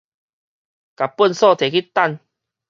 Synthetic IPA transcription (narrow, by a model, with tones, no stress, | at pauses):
ka˨pːu˥˨nsɔ˥˧˨t̪ʰe˨˩ki˦t̪a˥˧n